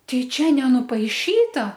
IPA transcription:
ˈtɐɪ ˈt͡ʃʲɛ nʲɛnʊpɐɪˈʃʲiːtɐ

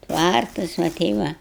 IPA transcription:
ˈtʋɐrtɐs ʋɐ ˈtʲɛɪ ʋɐ

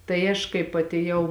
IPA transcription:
tɐɪ ˈɐʃ kɐɪp ɐtʲeːˈjɛʊ

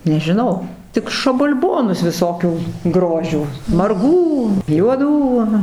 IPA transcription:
nʲɛʒʲɪˈnɐʊ ˈtʲɪk ʃɐbɐlʲˈboːnʊs ʋʲɪˈsoːkʲuː ˈɡroːʒʲuː mɐrˈɡuː juɔˈduː ɐˈnɐ

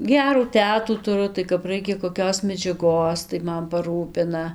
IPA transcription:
ˈɡʲæːruː ˈtʲæːtuː tʊˈrʊ tɐɪ kɐp ˈrɐɪkʲɛ koːˈkʲoːs mʲɛd͡ʒʲɛˈɡoːs tɐɪ ˈmɐn pɐˈruːpʲɪnɐ

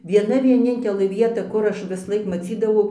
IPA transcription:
ʋʲiɛˈnɐ ʋʲiɛˈnʲɪnʲtʲɛlˠɘ ˈʋʲiɛtɐ ˈkʊr ˈɐʃ ʋʲɪsˈlˠɐɪk mɐˈt͡sʲiːdɐʋɐʊ

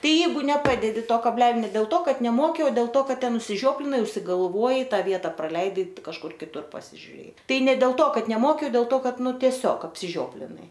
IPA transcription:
ˈtɐɪ ˈjɛɪɡʊ nʲɛˈpɑːdʲɛdʲɪ ˈtoː kɐbʲˈlʲæːlʲoː ˈnʲɛ dʲeːlˠ ˈtoː ˈkɐt nʲɛˈmoːkʲɪ oː dʲeːlˠ ˈtoː ˈkɐt ˈtʲɛn ʊʃʲsʲɪˈʒʲoːpʲlʲɪnɐɪ ʊʃʲsʲɪɡɐlˠˈʋuɔjɛɪ ˈtɑː ˈʋʲiɛtɐ prɐˈlʲɛɪdɐɪ kɐʃˈkʊr kʲɪˈtʊr pɐsʲɪʒʲʊˈrʲeːjɛɪ ˈtɐɪ nʲɛ dʲeːlˠ ˈtoː ˈkɐt nʲɛˈmoːkʲɪ oː dʲɛlˠ ˈtoː ˈkɐt ˈnʊ tʲiɛˈsʲoːk ɐpʲsʲɪˈʒʲoːpʲlʲɪnɐɪ

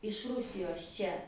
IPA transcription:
ɪʃ ˈrʊsʲɪjoːs ˈt͡ʃʲɛ

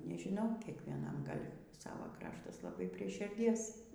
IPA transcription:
nʲɛʒʲɪˈnɐʊ kʲiɛkʋʲiɛˈnɐm ˈɡɐlʲ ˈsɑːʋoː ˈkrɑːʃtɐs lˠɐˈbɐɪ pʲrʲiɛ ʃʲɪrʲˈdʲiɛs

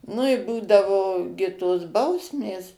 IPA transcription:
nʊ ɪ ˈbuːdɐʋoː ɡʲɪ toːs ˈbɐʊsʲmʲeːs

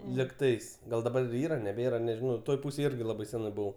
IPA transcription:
lʲɪkˈtɐɪs ˈɡɐlˠ dɐˈbɐr ˈiːrɐ nʲɛˈbʲeːrɐ nʲɛʒʲɪˈnɐʊ ˈtoːj ˈpuːsʲeːj ˈɪrʲɡʲɪ ˈlˠɑːbɐɪ ˈsʲæːnɐɪ ˈbʊʋɐʊ

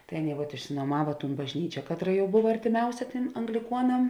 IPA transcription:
tɐɪ ˈɑːˌnʲeːɪ ʋɐt ɪʃʲɪnuɔˈmɑːʋɐ tuːn bɐʒʲˈnʲiːt͡ʃʲɛ ˈkɑːtˌrɐ jɛʊ ˈbʊʋɐ ɐrʲtʲɪˈmʲɛʊsʲɛ ˈtʲeːm ɐŋɡlʲɪˈkuɔnɐm

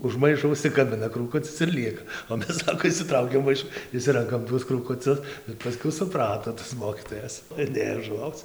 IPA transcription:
ʊʃ ˈmɐɪʃoː ʊʃʲsʲɪkɐˈbʲɪnɐ kruːˈkʊt͡sʲɪs ɪr ˈlʲiɛkɐ oː ˈmʲɛs ˈsɑːkoː ɪʃʲsʲɪˈtrɐʊkʲɛm ˈmɐɪʃʊ ɪʃʲˈsʲɪrɐŋkɐm ˈtuɔs kruːkʊˈt͡sʲʊs ɪr pɐˈsʲkʲɛʊ sʊˈprɑːtoː tɐs ˈmoːkʲiːtoːjɛs ɪr ˈnʲeːjoː ʒʊˈʋɐʊt͡s

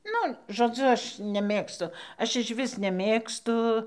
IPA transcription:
ˈnʊ ʒoːˈd͡zʊ ˈɐʃ nʲɛˈmʲeːkstʊ ˈɐʃ ɪʃʲˈʋʲɪs nʲɛˈmʲeːkstʊ

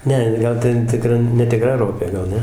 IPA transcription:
ˈnʲɛ ˈɡɐlˠ ˈtʲɛn tʲɪˈkrɐ nʲɛtʲɪˈkrɐ ˈroːpʲeː ɡɐlˠ ˈnʲɛ

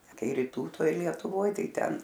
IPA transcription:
ˈkɐɪ rʲiːˈtuː ˈtoːj lʲiɛtʊˈʋoːj ˈtɐɪ ˈtʲɛn

